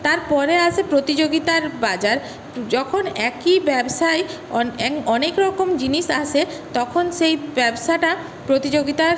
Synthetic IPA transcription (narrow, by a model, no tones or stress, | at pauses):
t̪aɾpɔɾeaʃʰepɾot̪id͡ʑoɡit̪aɾbad͡ʑaɾ | d͡ʑɔkʰonɛkibɛbʃaj | ɔɛɔnekɾɔkomd͡ʑiniʃaʃʰe | t̪ɔkʰonʃejbɛbʃaʈa | pɾot̪id͡ʑoɡit̪aɾ